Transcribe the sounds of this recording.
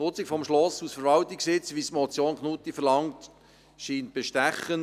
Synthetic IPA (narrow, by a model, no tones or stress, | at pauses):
ʊt͡sikfɔmʃlɔsusfəɾvʋɑltiksɪt͡sʋismɔt͡sjoːnknutifɛɾlɑŋt | ʃiːnt̚b̥eʃtæχən